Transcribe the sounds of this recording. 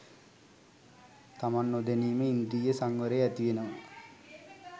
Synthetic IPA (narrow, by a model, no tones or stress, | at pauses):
t̪amanːod̪eniːməind̪iːjəsaŋʋəɾeæt̪iʋenəmə